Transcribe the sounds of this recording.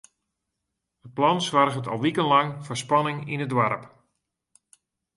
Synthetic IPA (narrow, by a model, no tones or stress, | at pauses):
ət̚plɔnsʋarɣətɔ̰lˠʋikənlɑŋfɔspɑnɪŋinədʋarp